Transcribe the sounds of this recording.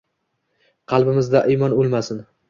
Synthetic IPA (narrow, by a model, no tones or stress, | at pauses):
qʰɑlˠbɪmɪzd̪aʔimɒnolˠmasɪn